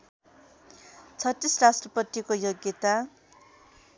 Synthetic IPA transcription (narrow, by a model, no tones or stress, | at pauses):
t͡sʰʌt̪ːisrasʈrʌpʌt̪ːikojoɡjʌt̪a